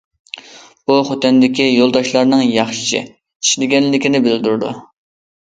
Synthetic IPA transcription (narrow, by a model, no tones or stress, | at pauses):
b̥uχot̪ɛnd̪ɪkʲijolˠd̪ɑʃlˠɑɾnɨŋjɑχʃɪ̥ʃɪ̰ | i̥ʃlɪɡʲɛnlːɪkʲinɪbɪld̪yɾd̪ṵ